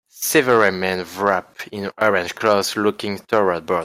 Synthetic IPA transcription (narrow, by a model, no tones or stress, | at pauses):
sɛvəɹamɛ̃nvɹapĩnʔɔɹɛ̃nd͡ʒkʰlɔslukĩŋtʰɔɹabɔ̥